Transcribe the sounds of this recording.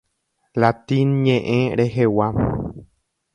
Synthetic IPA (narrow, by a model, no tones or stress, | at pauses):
lat̪ĩnɲẽʔẽɾe̞ɦewa